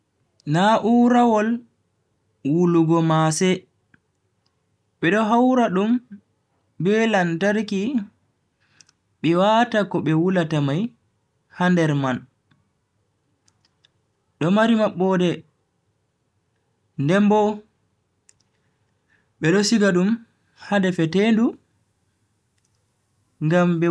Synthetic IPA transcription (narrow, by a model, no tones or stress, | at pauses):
naʔuːɾawɔl | wuluɡɔmasɛ | ɓɛɗɔɦawɾaɗum | bɛlantaɾki | ɓɛwatakɔɓɛwulatamaj | handɛɾman | ɗɔmaɾimaɓːɔdɛ | ndɛmbɔ | ɓɛɗɔsiɡaɗum | hadɛfɛtendu | ŋɡamɓɛ